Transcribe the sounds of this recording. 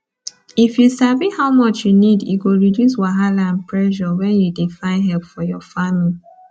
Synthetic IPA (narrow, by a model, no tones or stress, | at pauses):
ifjusavihaʊmɔt͡ʃjunidjṵɡoɹidjus̬waɦalãnpɹɛʒɔwɛ̃njudefãɪ̃nɦɛlpfɔjɔfamili